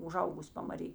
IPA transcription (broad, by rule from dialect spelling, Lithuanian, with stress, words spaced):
ʊˈʒɐʊɡʊsʲ pɐmɐˈrʲiː